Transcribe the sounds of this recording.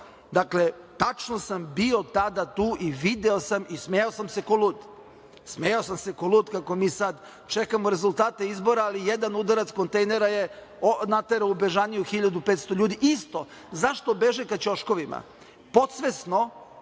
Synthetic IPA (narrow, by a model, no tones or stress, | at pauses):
d̪akle̞ | t̪at͡ʃnosambio̞t̪ad̪at̪uːʔiʋid̪eosamismejaosamse̞kolˠuːt̪ | smejaosamse̞koluːt̪kako̞miːsad̪ | t͡ʃekamoɾe̞zulˠt̪aːt̪eizbo̞ɾaːlijed̪anud̪aɾat̪sko̞nt̪ejneɾaje | onat̪eɾaubeʒanijuxiʎad̪upet̪st̪oʎuːd̪iʔist̪o̞ | zaʃt̪obeʒekat͡ɕoʃko̞ʋima̰ | po̞t̪sʋesno̞